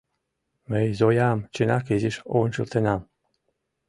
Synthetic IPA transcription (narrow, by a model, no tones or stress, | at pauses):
mejzojamt͡ɕinɑkeziʃonʲʃɤlˠt̪enɑm